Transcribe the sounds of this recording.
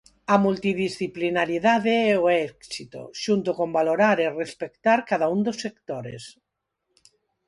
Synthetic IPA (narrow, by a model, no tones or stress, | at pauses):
amult̪iðisθiplinaɾiðaðeɛoɛksit̪o̰ʃunt̪okombaloɾaɾerespekt̪aɾkaðaund̪osːekt̪oɾḛs